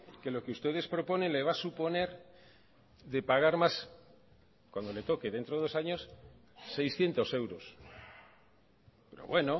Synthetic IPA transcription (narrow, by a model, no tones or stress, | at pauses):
ke̞lo̞keust̪e̞ðe̞spɾopo̞ne̞nleβ̞asupo̞ne̞ɾ | ðe̞paɣ̞aɾmas | kwand̪o̞le̞t̪o̞ke̞ðe̞nt̪ɾoðelosaɲo̞sː | ejsθje̞nt̪o̞se̞wɾos | peɾo̰βwe̞no